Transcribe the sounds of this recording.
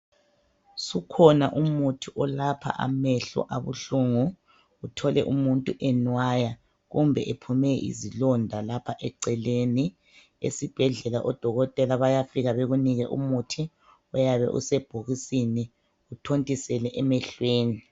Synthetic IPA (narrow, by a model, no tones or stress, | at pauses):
sukʰɔnaʔumutʰiʔɔlapʰa̰ʔa̰mɛɬɔ̰ʔaβṵɬuŋu | utʰɔlɛ̰ʔumuntʼuʔɛnwaja | ɣumbʱɛʔepʰumɛʔḭzilɔndʱalapʰaʔɛǀɛleni | ḛsib̥ʱɛɮɛlaʔɔd̥ʱɔɣɔtʼɛlaβajafiɣaβeɣuniɣɛʔṵmutʰi | ɔjaβɛ̰ʔṵsɛb̥ʱoɣisini | utʰontʼisɛlɛʔɛmɛɬweːni